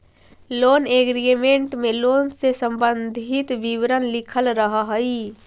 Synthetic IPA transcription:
loːneɡɾimẽɳʈmẽloːnsesə̃mbənd̪ʱɪt̪ʋiʋɾənlɪkʰəlɾəɦaɦəi

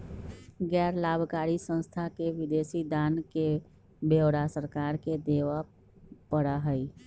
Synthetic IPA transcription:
ɡɛːɾlaːbʱkaːɾisə̃nst̪ʰakeʋɪd̪eːsid̪aːnke | bewɽasəɾkaːɾked̪eːʋa | pəɽaɦəi

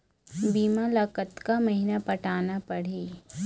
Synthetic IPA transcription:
biːmalakət̪kamɐɦinapɐʈaːnapɐɽ̤iː

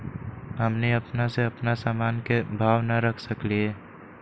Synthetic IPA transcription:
ɦəmneɐpnaseɐpnasaːmaːnkebʱaːʋnaɾəkʰsəklie

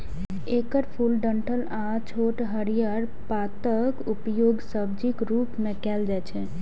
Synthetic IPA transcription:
ekəɾpʰulɖəɳʈʰəl | a | t͡ʃʰoʈɦəɾijəɾ | pat̪əkupjoɡsəbd͡ʒikɾupmekɛld͡ʒajt͡ʃʰɛ

